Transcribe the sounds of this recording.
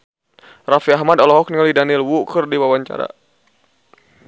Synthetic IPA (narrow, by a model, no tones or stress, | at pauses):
rafiahmadɔlɔɦɔk̚niŋalidanilwukərdiwawaɲt͡ʃa̰ɾa̰